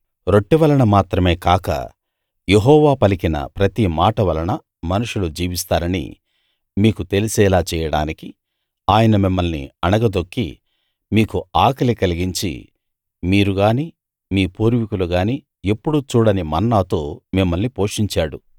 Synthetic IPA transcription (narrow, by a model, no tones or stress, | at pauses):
ɾo̞ʈːiʋɐlɐɳɐmaːt̪ɾɐme̞ːkaːkɐ̰ | je̞ɦɔːʋaːpɐlikinɐ̰pɾɐt̪imaːʈɐʋɐlɐɳɐ | mɐnuʂulud͡ʒiːʋist̪aːɾɐnḭ | miːkut̪e̞lisɛːlaːt͡ʃɛːjɐɽa̰ːniki | aːjɐnɐmimːɐlnḭɐnɐɡɐd̪o̞kːḭ | miːkuaːkɐlikɐliɡiɲt͡ʃḭ | miːɾuɡaːniː | miːpuːɾʋikuluɡaːniː | e̞pːuɽut͡ʃuːɽɐnimɐnːaːt̪o̞ːmimːɐlnipo̞ːʂiɲt͡ʃaːɽu